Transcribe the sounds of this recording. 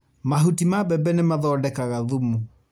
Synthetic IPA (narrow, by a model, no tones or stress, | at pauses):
maɦutimabɛbɛnemaðɔdɛkaɣaðumu